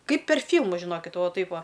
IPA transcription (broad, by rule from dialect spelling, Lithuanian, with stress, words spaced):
ˈkɐɪp pʲɛr ˈfʲiːlˠmʊs ʒʲɪˈnoːkʲɪt ˈʋɐ ˈtɐɪp ˈʋɐ